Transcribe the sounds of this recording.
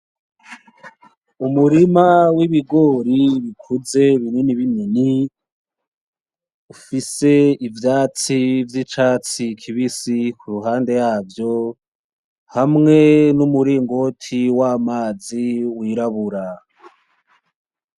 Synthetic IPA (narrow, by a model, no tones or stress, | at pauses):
umuɾimawiβiɡo̞ːɾiβikʰuze̞βininiβinini | ufise̞ivjaːt͡sivjit͡ʃaːt͡sikʰiβisikʰuɾuɦaːnde̞jaːvjo̞ | hamŋe̞numuɾiːŋɡo̞tʰiwaːmaːziwiːɾaβuɾa